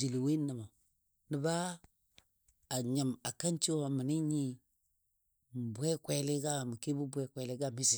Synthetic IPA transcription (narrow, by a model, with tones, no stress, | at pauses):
d͡ʒi˨li˨we˦na˨ma˨ | ni˨ba˦˨ | ɲa˨ma˨ka˦nt͡ʃi˦wa˨mi˨ni˦ɲi˦ | m˨bʷe˦kʷe˦li˦ɡa˦˨mi˨ki˦bu˦bʷe˦kʷe˨li˦ɡa˦˨mi˦si˨